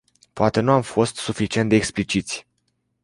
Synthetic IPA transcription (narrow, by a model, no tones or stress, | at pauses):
poat̪e̞nuamfo̞st̪sufit͡ʃie̞nd̪eːksplit͡ʃit̪sʲ